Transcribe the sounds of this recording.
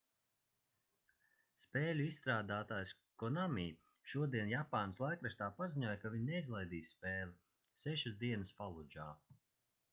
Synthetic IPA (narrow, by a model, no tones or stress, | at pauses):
spɛːlʲuist̪ɾaːd̪aːt̪aːjs | kɔnamiː | ʃuɔd̪iɛnjapaːnslˠajkɾast̪aːpaziɲuɔjkaviɲnɛizlˠajd̪iːsspɛːlˠi | sɛʃasd̪iɛnəsfalˠud͡ʒaː